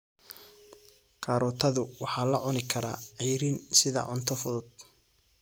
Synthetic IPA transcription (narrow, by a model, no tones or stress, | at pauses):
qʰɑːɾɔːt̪ʰɐðʊwɑħɑːlɐʕʊnɪkʰɐɾa̰ːʕɑjɾiːnsɪðɐ̰ʕʊnt̪ʰɔfʊðʊd̪̚